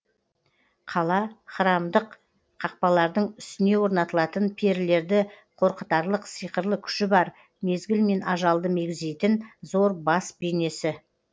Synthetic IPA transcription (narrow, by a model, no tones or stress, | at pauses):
qʰɑlˠɑχəɾɑmd̪əq | qʰɑq̚pɑlˠɑɾd̪əɴʏ̥st̪ɪne̞wo̞ɾnɑt̪əlˠɑt̪ənpʰeɾɪle̞ɾd̪ɪ | qʰo̞ɾqət̪ɑɾlˠəqsijqəɾlˠəkʲʰʏ̥ʃɪbɑɾ | me̞zɡʲɪlme̞nɑʒɑlˠd̪əme̞ɡʲɪze̞jt̪ɪnzo̞ɾbɑsbejne̞sɪ